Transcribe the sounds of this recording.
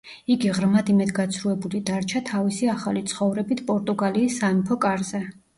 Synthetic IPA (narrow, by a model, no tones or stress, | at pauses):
iɡiʁɾmad̪imɛd̪ɡat̪sʰɾuɛbulid̪aɾt͡ʃʰat̪ʰavisiaχalit̪sʰχɔvɾɛbit̪ʰpʼɔɾt̪ʼuɡaliːsːamipʰɔkʼaɾzɛ